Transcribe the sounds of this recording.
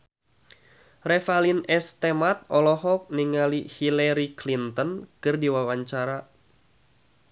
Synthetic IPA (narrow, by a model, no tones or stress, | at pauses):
rɛfalinɛst̪emat̪̚ɔlɔɦɔk̚niŋalihilaɾiklint̪ɔnkɨrdiwawaɲt͡ʃaɾa